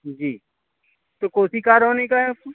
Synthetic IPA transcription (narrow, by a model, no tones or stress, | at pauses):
d͡ʒiː | t̪okoːsikaːɾɦoːnekaɦɛ